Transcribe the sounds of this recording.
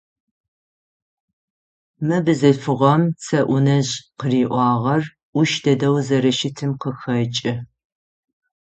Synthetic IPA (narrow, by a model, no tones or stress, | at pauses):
mɨbɨzɨfɨʁɐmt͡sʰɐʔʷʊnɐʑqəriːʔʷɑːʁɐr | ʔʷʊʃdɐdɐwzɐɾɐʃɪtʰɨmqəxɐt͡ʃʼɪ